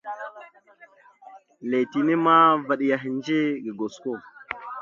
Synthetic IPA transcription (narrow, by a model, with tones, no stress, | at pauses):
le˨ti˨ni˦ma˦va˨ɗi˨ja˨ɦi˨n˦d͡ʒe˦ɡi˨ɡo˨sko˦˨